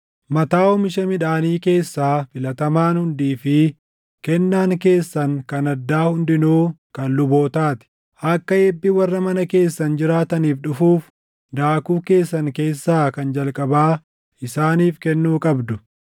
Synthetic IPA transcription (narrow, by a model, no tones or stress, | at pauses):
mɐt̪aːɔmɪʃɐmɪᶑaːniːke̞ːsːaːfɪlɐt̪ɐmaːnhʊnd̪iːfɪ | kɛnːaːŋke̞ːsːɐŋkɐnɐd̪ːaːhʊnd̪ɪnuːkɐnlʊbo̞ːt̪aːt̪ɪ̥ | ʔɐkːɐɛːbːɪwɐrːɐmɐnɐke̞ːsːɐnd͡ʒɪɾaːt̪ɐniːfᶑʊfuːf | d̪aːkuːke̞ːsːɐŋke̞ːsːaːkɐnd͡ʒɐlkʼɐbaː | ɪsaːniːfkɛnːuːkʼɐbd̪ʊ